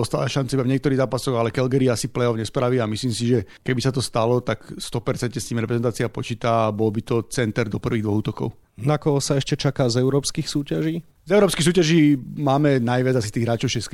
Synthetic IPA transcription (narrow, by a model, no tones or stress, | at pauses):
ɔst̪a̰ːla̰ʃant͡saibavɲɪɛkt̪ɔɾiːɣzaːpasɔɣalɛkɛlɡɛɾiasiplɛɔʊɲɛspɾaʋiamisliːmsiʒɛ | kɛbisat̪ɔst̪alɔt̪akst̪ɔpɛɾt͡sɛnt̪ɲɛst̪iːmɾɛpɾɛzɛnt̪aːt͡siapɔt͡ʃiːt̪aabɔlbit̪ɔt͡sɛnt̪ɛɾd̪ɔpr̩ʋiːɣd̪ʋɔɣuːt̪ɔkɔ̰ʊ | nakɔɦɔsaɛʃcɛt͡ʃakaːzɛʊɾɔːpskiːxsuːcaʒiː | zɛʊɾɔːpskiːxs̬uːcaʒiːmaːmɛnajʋad͡zas̬i̥t̪iːɣɦɾaːt͡ʃɔʊʃɛsk